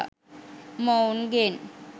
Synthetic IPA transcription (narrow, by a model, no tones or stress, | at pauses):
monɡen